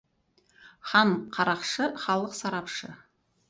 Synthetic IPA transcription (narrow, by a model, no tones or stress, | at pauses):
χɑɴqʰɑɾɑqʃəχɑlˠəqsɑɾɑpʃə̰